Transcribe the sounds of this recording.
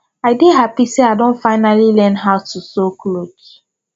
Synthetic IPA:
aɪdeɦapiseaɪdõnfaɪnalilɛ̃nɦaʊtusokʰlot͡ʃ

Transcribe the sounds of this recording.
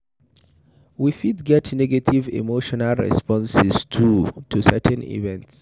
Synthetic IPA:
wifidɡɛtʰnɛɡatʰivḭmoʃɔnalˠɹɛ̰spɔ̃nsɛstʰutʰusɛtʰɛ̃nḭvɛ̃nts

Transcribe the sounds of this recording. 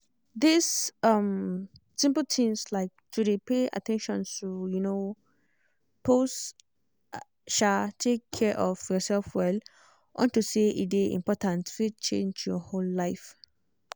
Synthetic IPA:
d̪isʌ̃msĩmpltʰĩmslaɪk̚tudepea̰tʰɛ̃nʃɔ̰̃ntujuno | pos | ʃatʰekʰːɛʔɔfjɔsɛlfwɛl | ʔɔ̰̃ntuseḭdeʔḭ̃mpɔtãntfit͡ʃḛ̃nd͡ʒjɔholːaɪf

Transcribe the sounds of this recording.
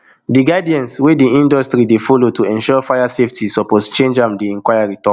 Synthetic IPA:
diɡadiɛ̃nswediĩndɔstɹidefɔlotʰuɛ̃nʃɔfajaseftʰisɔpɔst͡ʃẽnd͡ʒãmdeɛ̃ŋkwajaɹitɔk

